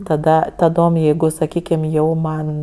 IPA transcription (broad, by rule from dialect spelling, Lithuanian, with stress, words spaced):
tɐˈdɐ tɐˈdoːm ˈjɛɪɡʊ sɐˈkʲiːkʲɪm ˈjɛʊ ˈmɐn